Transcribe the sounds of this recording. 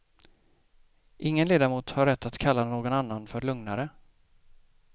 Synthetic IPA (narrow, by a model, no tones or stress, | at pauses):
ʔɪŋːənleːd̪amuːt̪haɾːɛt̪ʰːat̪kʰalːanoːɡɔnanːanfœɾɭɵŋnaɾə